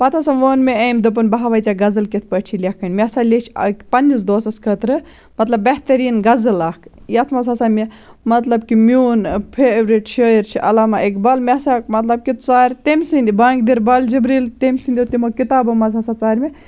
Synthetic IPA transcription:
pɐt̪ʰasɐʋoːnmeeːmd̪ɨp̬ɐnbɐɦaʋɐjt͡ʃaɡɐzɨlkit̪ʰpɐʈʲt͡ʃʰilʲekʰɐnʲmʲesalʲet͡ʃʰkpɐnd͡ʒisd̪oːsɐskʰət̪ɾɨ | mɐt̪lɐbːeht̪ɐɾiːnɡɐzɨlaːkʰjɐt̪ʰmɐzaːsame | mɐt̪lɐbkimʲjuːnpʰebɾiʈʃʰəːiɾt͡ʃʰiʔɐlaːmaʔekbɐlmʲesakmɐt̪lɐb̚kit̪ʰt͡saːɾʲt̪emʲsind̪ibaːŋɡd̪iɾbɐld͡ʒibɾiːlt̪emʲsind̪iut̪imokit̪aːbɐmɐzasat͡saːɾʲme

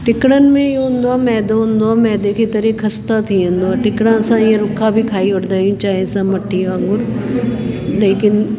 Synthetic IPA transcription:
ʈɪkɽən̆mẽjɦʊ̃nd̪oãmɛːd̪oɦʊ̃nd̪oãmɛ̃ːd̪ekʰit̪ɐɾekʰɐst̪at̪ʰiɦʊ̃nd̪oãʈɪkɽãɐsãijẽɾʊkʰːabʱikʰaːiʊʈd̪aːijũt͡ʃaːɦesãmɐʈʰːĩãŋɡʊɾ | leːkɪn

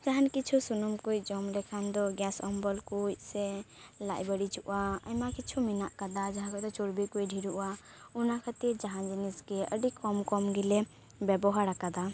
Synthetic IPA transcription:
d͡ʒaɦankit͡ʃʰusunumkojd͡ʒɔmlekʰand̪ɔɡjasɔmbɔlkuse | la̰jbəɽit͡ʃuʔaə̰jmakit͡ʃʰuminaʔkəd̪ad͡ʒaɦãkɔt̪ɔt͡ʃoɾbikoiɖʱiɾuʔa | unakʰət̪ed͡ʒaɦãd͡ʒiniskeə̰ɖikɔmkɔmɡele | bebɔɦaɾakad̪a

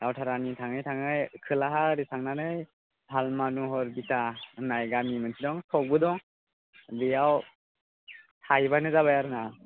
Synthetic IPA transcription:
awtʰaɾanitʰaŋɯjtʰaŋɯjkʰɯlaɦaɾitʰaŋnanɯj | bʱalmanuɦɔɾbitanajɡamimɯnsʰidɔŋtʰɔk̚bɯdɔŋ | dɯjaw | tʰajbajnɯzaβajaɾɯŋa

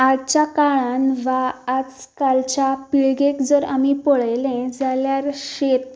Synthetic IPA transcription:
adt͡ɕjakaɭanʋaːt͡skalt͡ɕjapiɭɡekd͡zəɾa̰mipɔɭajlẽd͡zaljaɾɕet̪̚

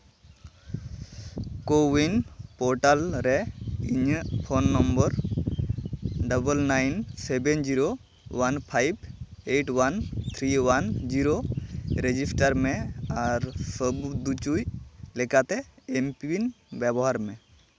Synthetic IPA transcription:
kowinpɔɾʈalɾɛiɲəpʰonːɔmbəɾ | ɖəbəlnajnsebend͡ʒiɾo | wanpʰajbeʈwant̪ʰɾiwand͡ʒiɾoɾed͡ʒisʈaɾmɛaɾsəbud̪ut͡ʃujlekat̪ɛempiin | bɛbɔɦaɾmɛ

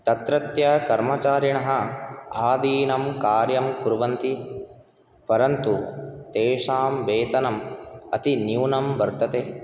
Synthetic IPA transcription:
t̪ɐt̪ɾɐt̪jɐkɐɾmɐt͡ʃaːɾiɳɐɦɐ̆aːd̪iːnɐmkaːɾjɐmkuɾʋɐnt̪i | pɐɾɐnt̪ut̪eːʂaːmʋeːt̪ɐnɐmɐ̰t̪injuwnɐmbɐɾt̪ɐt̪eː

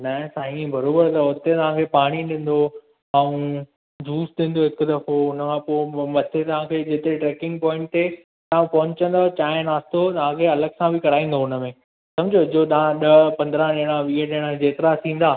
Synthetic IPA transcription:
nɐsaːĩbɐɾoːbəɾt̪ɐʊt̪et̪ɐʋ̤ãkʰepaːɽ̃iɗɪ̃ːn̆d̪o | aːũ | d͡ʑuːsɗĩːn̆d̪oɦɪkd̪ɐfoʊnəkʰãpoːmɐt̪ʰet̪ɐʋ̤ãkʰeːd͡ʑɪt̪ɾeʈɾeːkɪ̃ŋɡ̚pɔːɪ̃ɳʈ̚t̪e | t̪ɐʋãpɐɦʊ̃ɲt͡ɕə̃nd̪at͡ɕaːɪnaːst̪ot̪ɐʋ̤ãkʰeɐləɡsãbʱɪkɐɾaːĩːn̆d̪oɦʊnə̆mẽ | sɐ̃md͡ʑʱod͡ʑot̪ɐʋãɗɐpɐ̃nd̪ɾãɗẽːɽ̃ãʋiːəɗẽːɽ̃ãd͡ʑeːt̪ɪɾat̪ʰĩːn̆d̪aː

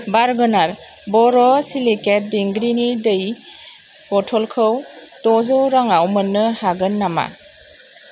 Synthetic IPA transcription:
baɾɡɯnaɾ | bɔɾɔsiliket̚diŋɡɾinidɯj | kɔtʰɔlkʰɯwtɔzɔɾaŋawmɯnːɯhaɡɯnːama̰

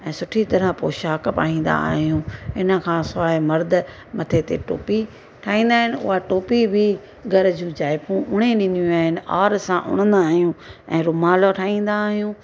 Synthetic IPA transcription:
ɛ̃ːsʊʈʰit̪ɐɾəpoːʃaːkpa̰ːɦĩːn̆d̪a̰ːɦijũɪnə̆kʰãːsʊaːemɐɾd̪ʊ̆ | mɐt̪ʰet̪ḛʈo̰ːpi | ʈʰaːĩːn̆d̪aːɦɪnɪʊ̰ɦaʈoːpibʱi | ɡʱɐɾd͡ʑũd͡ʑaːɪpũʔʊɽ̃eɗɪ̃nd̪ijũaːɦɪnɪ̆a̰ːɾsãʔʊ̰ɽ̃ə̃nd̪aːɦijũɛ̃ːɾʊmaːloʈʰaːĩːn̆d̪aːɦijũː

